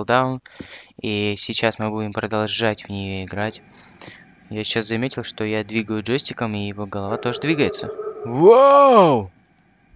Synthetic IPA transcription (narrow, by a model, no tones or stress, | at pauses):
lˠd̪aʊnisʲɪt͡ɕasmɨbudʲɪmpɾəd̪ɐlˠʐatʲvnʲɪjo̞ɪɡɾatʲ | jasʲɪt͡ɕːaszɐmʲetʲɪlˠʂt̪o̞jad̪vʲiɡəjʊʐosʲtʲɪkəmijɪvo̞ɡəlˠɐvat̪o̞ʐɨd̪vʲiɡəjɪt̪səvow